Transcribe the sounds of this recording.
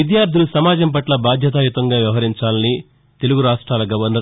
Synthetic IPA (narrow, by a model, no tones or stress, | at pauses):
id̪jaːɾd̪ʱulusɐmaːd͡ʒɐmp̬ɐʈlɐbaːd̪ʱjɐt̪̬aːjut̪ɐŋɡaːʋjɐʋɐɦɐɾiɲt͡ʃaːlɐni | t̪e̞luɡuɾaːʂʈɾaːlɐɡɐʋɐɾnɐ